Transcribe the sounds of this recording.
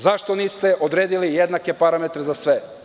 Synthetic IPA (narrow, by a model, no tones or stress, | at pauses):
zaʃt̪o̞niːst̪e̞ʔod̪ɾeːd̪ilijed̪nake̞paɾamet̪ɾezasʋe